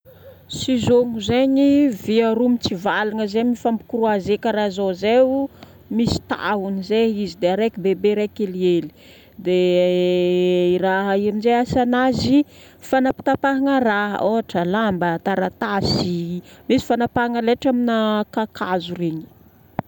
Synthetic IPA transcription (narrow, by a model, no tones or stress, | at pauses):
sizoŋuzeɲiviaɾumit͡sivalaŋəzemifampi̥kuɾuazekəɾaɦzoze | misi̥t̪a̰ɦunizeizid̪eaɾekibebeɾekelieli̥ | d̪e | iraɦəiamind͡ʒeasanazi | fanapi̥t̪apaɦaŋəɾaɦə̰oɦaʈ͡ʂəlambət̪aɾat̪asimisi̥fanapaŋəleʈ͡ʂaminakakʰazureɲi̥